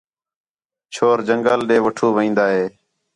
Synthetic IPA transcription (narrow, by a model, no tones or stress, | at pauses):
t͡ʃʰoːɾd͡ʒəŋɡəlɗeːʋəʈʰuːʋĩːnd̪aːɦeː